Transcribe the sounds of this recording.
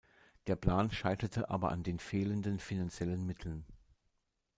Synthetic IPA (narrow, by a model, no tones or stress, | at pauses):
d̥eːɐpl̥aːnʃaɪtɐtʰəʔa̰ːbɐ̰ʔa̰ndeːnfeːləndənfinant͡sjɛlənmɪtʰl̩n